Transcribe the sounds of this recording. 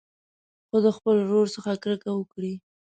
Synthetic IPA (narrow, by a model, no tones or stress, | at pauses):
xod̪əxpəlɾoɾsəxakɾəkawəkɽi